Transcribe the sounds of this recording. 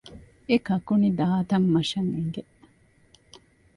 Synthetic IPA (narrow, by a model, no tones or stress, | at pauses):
ekɐkunid̪aːt̪ɐmːɐʃɐŋːeŋɡe